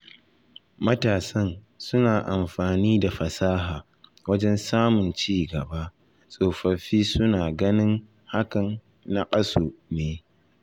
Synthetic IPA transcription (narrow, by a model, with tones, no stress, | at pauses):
mɐ˦taː˨sɐ˦n | sʊ˦naː˨ʔa˨mɸaː˨niː˦da˨ɸɐ˨saː˦ɦaː˨ | wɐ˦d͡ʒɛ˦nsaː˦mʊ˨nt͡ʃiː˦ɡɐ˨ba˦ | sʼoː˨ɸɐ˨ɸiː˦sʊ˦naː˨ɡɐ˦nɪ˦ŋ | ha˦kɐ˨nː | a˦kʼɐ˦soː˨neː˨˦